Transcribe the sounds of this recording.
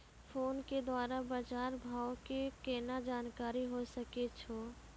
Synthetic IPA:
fʰoːnked̪waːɾabad͡ʒaːɾbʱaːokikeːnad͡ʒaːnkaːɾiɦosɐket͡ʃʰoː

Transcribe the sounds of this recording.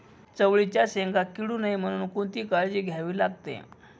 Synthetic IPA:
t͡səʋɭit͡ɕjaɕeŋɡakiɽuːnaim̤əɽ̃uːnkut̪iːkaɭd͡ʑiːɡʱjaʋiːlaɡ̚t̪ḛ

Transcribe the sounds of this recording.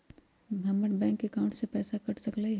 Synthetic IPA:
bʱaməʈbɛ̃ːŋkːekaʊ̃ɳʈsepɛːsakɐʈsəklaiɦ

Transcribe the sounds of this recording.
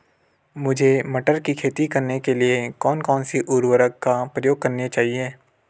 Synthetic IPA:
mʊd͡ʒʱemɐʈəɾkikʰeːt̪ikɐɾnekeliekɔːnkɔːnsiʔʊɾwəɾəkkapɾɐjoːɡ̚kɐɾnet͡ʃaːɦieː

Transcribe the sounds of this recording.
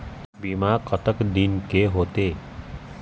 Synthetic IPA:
bimakət̪əkd̪inkeɦoːt̪e

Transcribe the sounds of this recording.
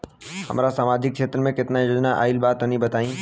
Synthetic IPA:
hɐ̰mːɾasaːmaːd͡ʒɪkːʃeːt̪ɾəmẽkɪt̪najoːd͡ʒnaʔa̰ːɪlbaːt̪ɐnĩbɐt̪aːĩː

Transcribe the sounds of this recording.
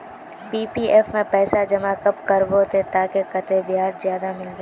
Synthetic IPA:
piːpiːʔɛːfmẽpɛːsad͡ʒɐmakɐpkɐɾboːt̪et̪aːkekɐt̪ebɪɦaːɾzjaːd̪amɪlɡe

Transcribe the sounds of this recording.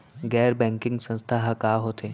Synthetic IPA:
ɡɛːɾbɛ̃ːŋkɪ̃ŋɡsə̃nst̪ʰaɦakaːɦoːt̪eː

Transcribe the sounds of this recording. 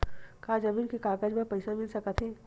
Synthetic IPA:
kaːd͡ʒɐbiːlkekaːkad͡ʒbɐpɐɪsamɪlsɐkət̪ʰɦeː

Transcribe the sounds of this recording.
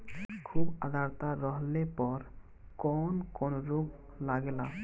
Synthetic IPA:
kʰubad̪ʱaɾt̪aɾɔɦlepɔɾ | kɔnkonɾoɡ | laɡela

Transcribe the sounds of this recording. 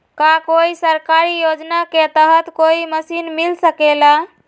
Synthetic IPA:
kakoisəɾkaɾijod͡ʒnaket̪əɦət̪koiməsinmilsəkela

